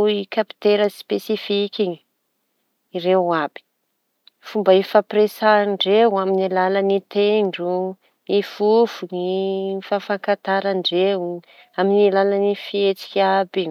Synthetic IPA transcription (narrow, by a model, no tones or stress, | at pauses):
ikapi̥t̪eɾəspesifikʲiɲi̥ | rewab̥i̥ | fumbaefapresaɳɖ͡ʐewuaminilalanit̪eɳɖ͡ʐu | ifufunifafaŋkat̪aɾaɳɖ͡ʐew | aminilalanifiet͡si̥kʲiabi